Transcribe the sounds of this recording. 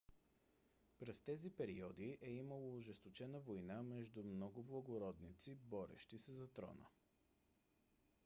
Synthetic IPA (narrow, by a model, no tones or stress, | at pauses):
pɾɛst̪ɛzipɛɾiɔd̪iʔɛiməlˠoːʒɛst̪ot͡ʃɛnəvojnamɛʒd̪umnɔɡʊblˠɐɡoɾɔd̪nit̪sibɔɾɛ̰ʃt̪isɛzɐt̪ɾɔ̰nə̰